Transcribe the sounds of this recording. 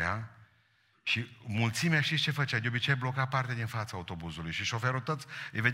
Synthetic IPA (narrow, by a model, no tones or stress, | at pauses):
a | ʃimult̪simeaʃt̪ist͡ʃe̞fət͡ʃad̪eobit͡ʃejblo̞kapart̪ed̪infat̪saut̪o̞buzulujʃiʃo̞feɾut̪ot̪sʲved̪